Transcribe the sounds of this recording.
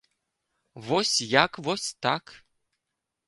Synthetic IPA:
vosʲjakvosʲt̪ak

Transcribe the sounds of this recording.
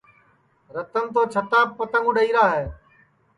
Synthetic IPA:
ɾət̪ənt̪̬oːt͡ʃʰət̪aːpːət̪əŋɡũːɗəiːɾaːɦeː

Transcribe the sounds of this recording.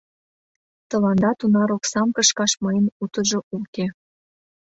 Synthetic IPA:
t̪ɤ̆lɑnd̪ɑt̪unɑɾoksɑmkɤ̆ʃkɑʃmɑjənut̪ə̆ʒoʔuke

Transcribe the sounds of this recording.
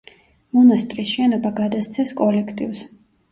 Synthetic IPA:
mɔnast̪ʼɾisʃɛnɔbaɡad̪ast̪sʰɛskʼɔlɛkʰt̪ʼḭvs

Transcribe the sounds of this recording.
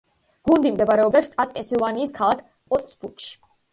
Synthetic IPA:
ɡ̥und̪imd̪ɛbaɾɛɔb̚d̪aʃt̪ʼat̪̚pʼɛnsilˠvaniːskʰalˠakʰ | pʼɔt̪ʼsbuɾkʼʃi̥

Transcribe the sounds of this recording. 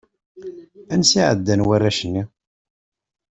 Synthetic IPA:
ænsiʕə̰d̪ːænwærːæʃənːi

